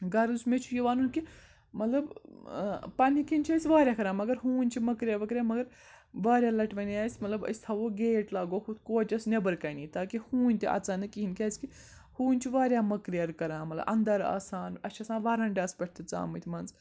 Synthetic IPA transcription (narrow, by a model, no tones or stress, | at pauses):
ɡɐɾd̪usmet͡ʃʰujiʋaːnunki | mɐt̪lɐb | pɐnikinʲt͡ʃʰɐsʲʋaːɾʲjaːkɐɾaːmɐɡɐɾɦuːnʲt͡ʃʰimɐkɾʲijɐːɾʋɐkɾʲjaːmɐɡɐɾ | ʋaːɾʲjaːlɐʈʋɐnaːsʲmɐt̪lɐbɐ̰sʲt̪ʰɐʋoːɡeːʈlaːɡoːhut̪koːt͡ʃʲɐsnebɐɾkɐniːt̪aːkihuːnʲt̪iʔɐ̰ːt͡saːnɨkːiɦinkʲɐːsʲki | huːnʲt͡ʃʰiʋaːɾʲjaːmɐkɾijɐɾkɐɾãːmɐt̪lɐ̰bʔɐ̰nd̪ɐɾa̰ːsaːnɐt͡ʃʰɐsaːnʋaːɾaːɳɖʲaːspɐʈ̚ʰʲt̪it͡sa̰ːmɨt̪ʰʲmɐnz